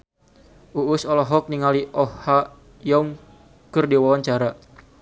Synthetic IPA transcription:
ʔuʊsɔlɔɦɔk̚niŋaliʔɔhːa | jɔŋ | kərdiwawaɲt͡ʃaɾa

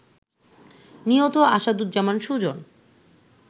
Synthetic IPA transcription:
niɦot̪oaʃad̪ud̪̚d͡ʑamanʃud͡ʑon

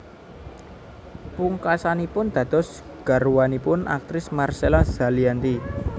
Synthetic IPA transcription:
puŋkasanipʊnd̪̥ä̤d̪̥ɔ̤s | ɡ̥a̤ɾuwanipʊna̰k̚t̪ɾɪsmarselaz̥a̤liant̪i

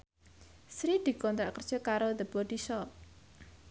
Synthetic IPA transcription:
sɾid̪̥i̤kɔnt̪ɾa̰ʔkərd̥ʒ̥ɔ̤kaɾoðəb̥ɔd̪̥isɔp̚

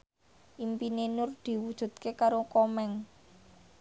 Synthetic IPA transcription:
ʔimpinenʊrd̪̥i̤wud̥ʒ̥ṳd̪̚kekaɾokɔmɛŋ

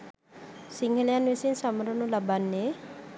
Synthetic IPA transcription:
siŋɡelijanwesinsamaɾɔnulabanːe

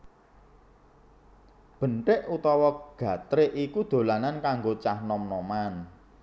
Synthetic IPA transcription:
b̥ə̤ɳʈɪʔut̪ɔwɔɡ̥ä̤t̪ɾeʔikud̪̥o̤lanankaŋɡot͡ʃahnɔmnɔman

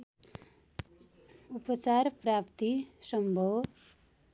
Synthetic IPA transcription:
upʌt͡sarprapt̪isʌmbʱʌw

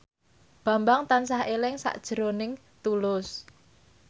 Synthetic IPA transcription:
b̥ä̤mbaŋt̪ansahelɪŋsa̰ʔd̥ʒ̥əɾonɪŋ | t̪ulʊs

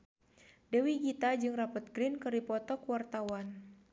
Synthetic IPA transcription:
dɛwiɡit̪ad͡ʒɨŋrapɔt̪̚ɡɾinkɨrdipɔt̪ɔkuwart̪awan

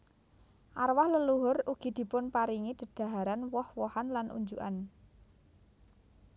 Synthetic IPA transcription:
ʔarwahləluɦʊruɡ̥i̤d̪̥i̤pʊnpaɾiŋid̪̥ə̤d̪̥a̤ɦaɾanwɔhwɔhanlanʔṵɲd͡ʒuʔa̰n

